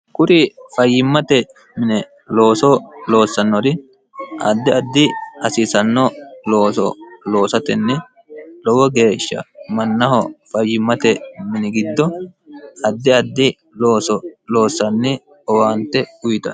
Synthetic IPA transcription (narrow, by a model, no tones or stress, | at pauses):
kʊɾɪfɐjːɪmːɐt̪ɛ | mɪnɛ | lo̞ːsɔlo̞ːsːɐnːɔɾɪ | ʔɐ̰d̪ːɪɐd̪ːɪɐsisɐnːɔlo̞ːsɔ̰lo̞ːsɐt̪ɛnːɛ | lɔwɔɡe̞ːʃːɐ̰mɐnːɐhɔfɐjːɪmːɐt̪ɛmɪnɪɡɪd̪ːɔʔɐd̪ːɪɐd̪ːɪ | loːsɔlo̞ːsːɐnːɪ | ɔwaːnt̪ɛʊjt̪ɐ̰